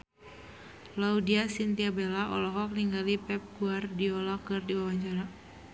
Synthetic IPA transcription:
laudiasint̪iabɛlaɔ̰lɔɦɔk̚niŋɡalipɛp̚ɡuardiɔlɔkɨrdiwawaɲt͡ʃaɾa

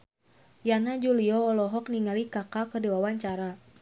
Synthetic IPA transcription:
janad͡ʒuliɔɔlɔɦɔk̚niŋalikakakədɛwawaɲt͡ʃaɾa

